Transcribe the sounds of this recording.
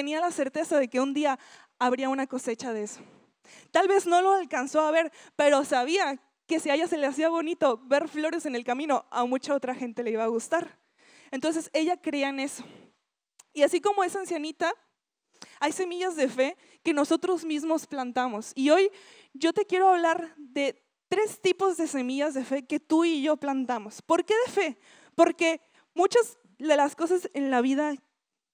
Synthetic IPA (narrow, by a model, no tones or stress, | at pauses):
t̪enialase̞ɾt̪e̞saðe̞ke̞und̪iaː | βɾiaunako̞se̞t͡ʃaðeeso̞̥ | t̪alβe̞zno̞lo̞alkansoaβe̞ɾpe̞ɾo̞saβ̞ia | ke̞siaʝase̞leas̬iaβo̞nit̪o̞βe̞ɾflo̞ɾe̞se̞ne̞lkamĩno̞amut͡ʃao̞t̪ɾaxe̞nt̪eleiβaːɣust̪aɾ | e̞nt̪o̞nse̞se̞ʝakɾeaene̞so̞̥ | iasiko̞mo̞e̞saensjanit̪a | ajse̞miʝazðe̞fe̞ | ke̞no̞so̞t̪ɾo̞zmizmo̞splant̪amo̞sio̞j | ɟ͡ʝo̞t̪e̞kje̞ɾo̞aβlaɾðe̞ | t̪ɾe̞st̪ipo̞zðe̞se̞miʝazðe̞fe̞ke̞t̪uiʝo̞plant̪amo̞spo̞ɾke̞ðe̞fe̞ | po̞ɾke̞ | mut͡ʃaz | ðe̞lasko̞sase̞nlaβ̞ið̞a